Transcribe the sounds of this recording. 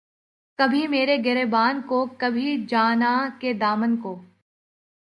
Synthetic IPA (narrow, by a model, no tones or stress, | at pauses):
kɐbʱimeːɾeɡɛɾebaːnkokɐbʱid͡ʒaːnaked̪aːmənkoː